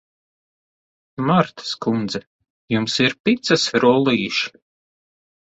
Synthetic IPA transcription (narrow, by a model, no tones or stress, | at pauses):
maɾt̪ḁskund̪zɛ | jumsiɾpit̪sɐsɾulˠiːʃ